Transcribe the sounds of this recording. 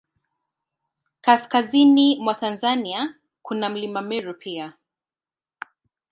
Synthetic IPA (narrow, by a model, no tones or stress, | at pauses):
kaskazinimwatanzania | kunam̩limamɛɾupʰia